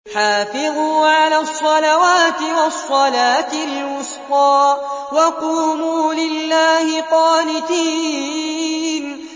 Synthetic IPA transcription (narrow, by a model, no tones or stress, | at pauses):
ħaːfɪðuːʕalaːsˤːɑlawaːt̪ɪwɑsˤːɑlaːt̪ɪlwʊsfɑːwɑquːmuːlɪlːaːhɪqɑːnɪt̪iː | n